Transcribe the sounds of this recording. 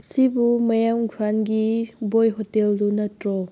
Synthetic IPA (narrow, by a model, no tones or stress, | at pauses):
sibumɐjaŋɡʱʰwanɡibojɦoteldunɐtɾɔ